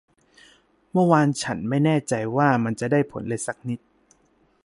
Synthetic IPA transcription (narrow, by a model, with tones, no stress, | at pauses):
mɯ˥˩˨waː˧nt͡ɕʰa˦˥nma˥˩jnɛː˥˩t͡ɕa˧jwaː˥˩ma˧nt͡ɕa˨˩ʔdaː˥˩jpʰo̰˩˦nle˧sa˦˥k̚ni˦˥t̪̚